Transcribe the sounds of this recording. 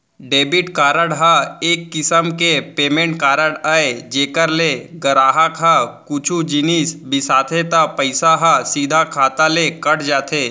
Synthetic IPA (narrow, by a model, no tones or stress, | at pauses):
ɖeːbɪʈkaːɾəɽɦaeːkːɪsəmkepeːmẽːɳʈkaːɾəɽəed͡ʒeːkəɾleɡəɾaːɦakʰɦakut͡ʃʰud͡ʒɪniːsbɪsaːt̪ʰet̪apəɪsaɦasiːd̪ʱakʰaːt̪alekɐɽd͡ʒaːt̪ʰeː